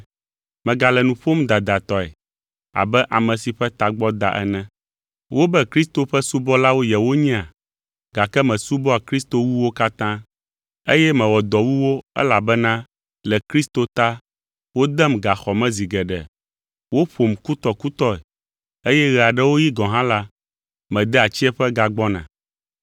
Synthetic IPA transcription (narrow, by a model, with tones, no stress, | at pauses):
mɛ̃˨ɡa˨lɛ˨nũ˨ɸo˦md̪a˨d̪a˨t̪ɔ˨ɛ̰˨ | a̰˨bɛ˦ʔa˨mɛ̃˨si˨ɸɛ˦t̪a˨ɡ͡bɔ˦d̪a˨ʔɛ̰˦nɛ̃˦ | wo˦bɛ˦kɾi˦st̪o˨ɸɛ˦su˦bɔ˦la˦wo˦jɛ˨wo˦ɲĩ˦a˨ | ɡa˨kɛ˦mɛ̃˨su˦bɔ˦a˨kɾi˦st̪o˨wu˦wo˦ka˦t̪ã˦ | e˦jɛ˦mɛ̃˨wɔ˨d̪ɔ˨wu˦wo˦ɛ̰˦la˨bɛ˦nã˦ | lɛ˨kɾi˦st̪o˦t̪a˦ | wo˦d̪ɛ˦mɡa˨xɔ˨mɛ̃˦zi˨ɡɛ˨ɖɛ̰˨ | wo˦ɸo˨mku˦t̪ɔ˨ku˦t̪ɔ˦ɛ˨ | e˦jɛ˦ɣɛ˨a˨ɖɛ˦wo˦ji˦ɡɔ̃˨ɦã˦la˦ | mɛ̃˨d̪ɛ˦a˨t͡ɕi˦ɛ˦ɸɛ˦ɡa˨ɡ͡bɔ˦nã̰˨